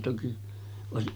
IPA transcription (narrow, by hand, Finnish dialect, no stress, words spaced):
toki oˑesiʔ